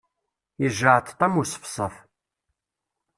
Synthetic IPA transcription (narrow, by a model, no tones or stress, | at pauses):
əʒəʕt̪t̪ˤːɑmusə̥fsˤəf